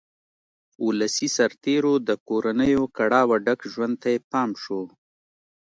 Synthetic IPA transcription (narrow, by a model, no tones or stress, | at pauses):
ulasisaɾt̪eɾod̪əkoɾanəjokaɽɑwaɖakʒwand̪̚t̪ajepɑːmʃo